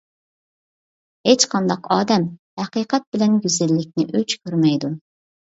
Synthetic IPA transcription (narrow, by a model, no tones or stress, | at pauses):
het͡ʃqʰɑnd̪ɑqɑːd̪ɛmhæqiːqʰɛt̪̚bɪlɛnɡʲyzɪlːɪk̚ʲnɪʔøt͡ʃkʲʰøɾmɛjd̪u